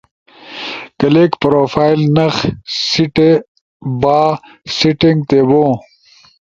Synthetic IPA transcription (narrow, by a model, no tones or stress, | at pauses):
kɐleːkpɾoːfaːjlnɐxsiʈe | baː | siʈĩŋɡ̚t̪eːbõː